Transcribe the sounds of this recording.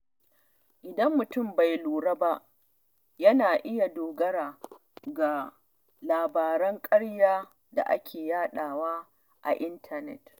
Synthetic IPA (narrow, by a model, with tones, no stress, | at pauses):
ʔɪ˨dɐ˦mːʊ˨tʊ˦˨mba˨jluː˨ɾɐ˦ba˦ʔ | jɐ˦naː˨ʔɪ˦ja˨doː˨ɡɐ˦ɽaː˨ | ɡa˨ | laː˨baː˨ɾɐ˦ŋkʼɐ˦ɽjaː˦ | da̰˨ʔa̰˦kʲʰeː˨jaː˦ɗaː˨waː˦ | ʔa̰˨ʔɪ˦ntʰa˦nɛ̰˨t